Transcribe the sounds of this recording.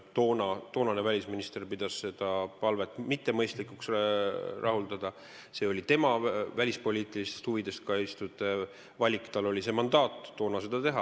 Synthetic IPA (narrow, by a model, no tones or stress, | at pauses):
t̪o̞ːnɑt̪o̞ːnɑne̞vælʲisminist̪e̞rpid̪̥ɑsse̞d̪̥ɑpɑlvet̪ːˑmit̪ˑːe̞mɤjst̪likuks | rʔɑɦuld̪ɑd̪̥ɑ | se̞o̞lʲit̪e̞mɑvælʲispo̞lʲiːt̪ˑilist̪est̪huvid̪e̞st̪kɑist̪ud̪̥ˑe | vɑlʲikːˑt̪ɑlo̞lʲise̞mɑnd̪̥ɑːt̪ːo̞ːnɑse̞d̪̥ɑt̪e̞ɦɑ